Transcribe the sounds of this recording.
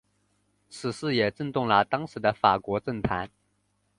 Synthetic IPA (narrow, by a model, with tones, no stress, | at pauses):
t͡sʰɹ̩˨˩ʂɹ̩˥˩jɛ˨˩ʈ͡ʂə˥˧nt̪ʊ˥˩ŋlə˩t̪ɑ˥ŋʂɻ̩˧˥d̪ə˧fa˨˩kwɔ˧˥ʈ͡ʂə˥˩nt̪ʰa˧˥n